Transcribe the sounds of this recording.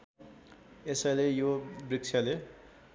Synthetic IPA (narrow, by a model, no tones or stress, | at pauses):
esajlejobrik̚t͡sʰjale